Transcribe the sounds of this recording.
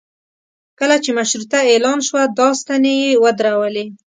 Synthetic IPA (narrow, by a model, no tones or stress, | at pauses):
kəlat͡ʃemaʃɾut̪aelɑnʃwad̪ɑst̪anejewəd̪ɾawəle